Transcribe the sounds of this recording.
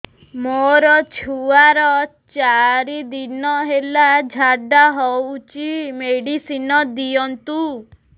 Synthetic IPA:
moɾɔt͡ʃʰuaɾɔt͡ʃaɾid̪inɔɦelad͡ʒʱaɖaɦɔwt͡ʃimeɽisinɔd̪ijɔnt̪u

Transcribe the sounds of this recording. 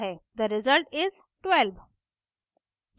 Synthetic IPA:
ɦed̪əɾɪzəlʈɪz | ʈwɛlʋ

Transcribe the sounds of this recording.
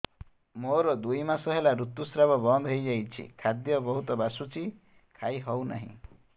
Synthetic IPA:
moɾɔd̪ujmasɔɦelaɾut̪ːusɾabɔbɔnd̪ʱɦojd͡ʒajt͡ʃʰḭkʰad̪jɔbɔɦut̪ɔbasut͡ʃʰi | kʰajɦɔwna̰ɦḭ̃

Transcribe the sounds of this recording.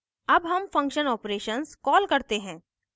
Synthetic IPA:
ɐbɦɐmfɐ̃ŋkʃənɔːpɾeːʃənskɔːlkɐɾt̪eɦɛ̃ː

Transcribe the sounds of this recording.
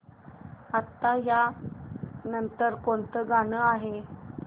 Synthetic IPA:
at̪ːaɦja | nənt̪əɾkont̪əɡanəaɦe

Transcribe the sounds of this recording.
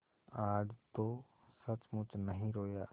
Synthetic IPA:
aːd͡ʒt̪o | sɐt͡ʃmʊt͡ʃnɐɦĩɾoːjaː

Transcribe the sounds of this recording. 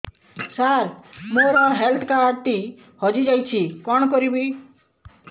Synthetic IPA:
saɾmoɾɔɦelt̪ʰkaːɾt̪i | hɔd͡ʒid͡ʒajt͡ʃʰikɔɳ̃kɔɾibi

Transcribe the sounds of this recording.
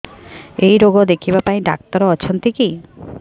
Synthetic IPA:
ejɾoɡod̪ekʰibapaĩɖa̰k̚t̪ɔɾɔt͡ʃʰɔnt̪iki

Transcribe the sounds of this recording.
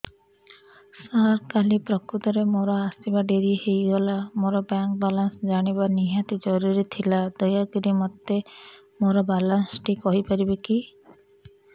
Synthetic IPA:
saɾkalipɾɔkɾut̪ɔɾemoɾɔasibaɖeɾihejɡɔlamoɾɔbaŋk̚balansd͡ʒaɽ̃iβaniɦat̪id͡ʒɔɾuɾit̪ʰilad̪ɔjaɡiɾimɔt̪ːe | moɾɔbalansʈikɔɦipaɾibeki

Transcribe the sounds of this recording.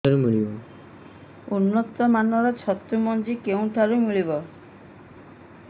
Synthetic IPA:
aɾumiɭibɔ | unːɔt̪ɔmanɔɾɔt͡ʃʰɔt̪ːumɔnd͡ʒikeũʈʰaɾumiɭibɔ

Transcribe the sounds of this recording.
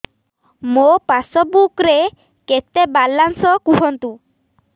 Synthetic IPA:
mopasɔbukɾe | ket̪ebalːansɔkuɦɔnt̪u

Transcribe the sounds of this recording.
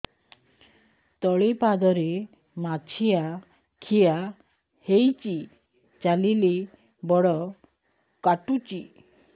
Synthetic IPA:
t̪ɔɭepad̪ɔɾe | mat͡ʃʰija | kʰija | hejt͡ʃi | t͡ʃalile | bɔɽɔ | kaʈut͡ʃi

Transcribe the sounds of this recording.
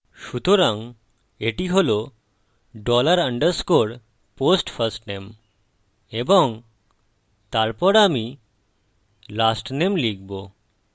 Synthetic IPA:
ʃut̪oɾaŋ | eʈiɦolo | ɖɔlaɾəɳɖəɾskoɽ | posʈfʰəɾsʈnem | ebɔŋ | t̪aɾpɔɾami | lasʈnemliɡbo

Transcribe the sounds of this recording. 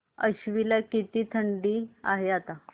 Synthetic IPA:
əɕʋilakit̪iːt̪ʰəɳɖiːa̰ɦeat̪a

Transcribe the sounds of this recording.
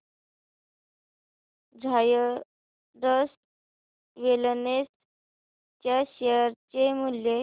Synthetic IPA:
d͡zʱajə | ɖəs | ʋelnes | t͡ɕaɕejəɾt͡ɕemulje

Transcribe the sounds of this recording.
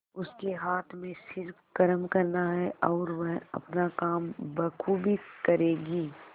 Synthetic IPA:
ʊskeɦaːt̪ʰmẽsɪɾfkɐɾəmkɐɾnaɦɛʔɔːɾʋɛɦɐ̰pnakaːmbɐkʰubʱikɐɾeːɡiː

